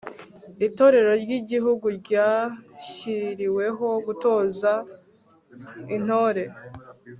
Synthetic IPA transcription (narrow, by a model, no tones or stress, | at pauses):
ito̞ɾe̞ɾo̞ɾɟiɟiɦuɡuɾɟaːçiɾiwe̞ɦo̞ɡuto̞ːza | in̥o̞ːɾe̞